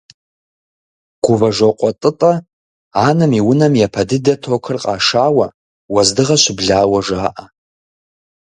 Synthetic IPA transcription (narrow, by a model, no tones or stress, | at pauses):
ɡ̥ʷuvaʐʷoqʷʼɔtʼɨtʼa | anɨmiwʊnɐmjapʰɐdɨdɐtʰokʰɨrqʼa̰ːʂaːwa | wazdɨʁaʃʷbɮaːwaʐaːʔa